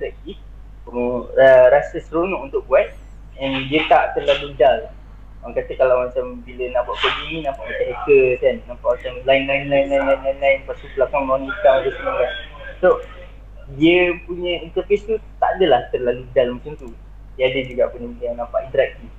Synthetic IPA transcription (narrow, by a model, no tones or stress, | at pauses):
int̪əɾɛk̚t̪if | əɾasəsəɾonɔʔunt̪ʊʔ̚buat̪̚ | ɛndiət̪aʔt̪ərlaludal | aŋkat̪əkalawmat͡ʃambilənahbuaʔbuadinĩnãmpaʔmat̪aʔekəkanːãmpaʔmat͡ʃamlainlainlajnlajnlajinlajnlaɪnpasupəlakaŋbəlanbət̪aŋdəsəmũkan | so | diəpuɲəint̪ərfest̪ut̪aʔadəlaht̪ərlaludalmat͡ʃamt̪u | dadəd͡ʒuɡa̰ʔpuɲəpuɲanãmpaʔint̪əɾɛk̚t̪if